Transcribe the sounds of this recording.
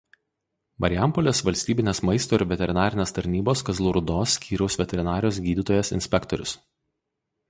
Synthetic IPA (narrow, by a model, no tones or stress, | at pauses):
mɐɾʲɪæmpɔlʲeːsʋɐlʲsʲt̪ʲiːbʲɪnʲeːsmɐɪst̪oːɪɾʋʲɛt̪ʲɛɾʲɪnɑːɾʲɪnʲeːst̪ɐɾʲnʲiːboːskɐzlˠuɾʊd̪oːsʲːkʲʰiːɾʲɛʊsʋʲɛt̪ʲɛɾʲɪnɑːɾʲɪjoːs̬ɡʲiːd̪ʲit̪oːjɛsɪ̰nʲsʲpʲɛkt̪ɔɾʲʊ̰s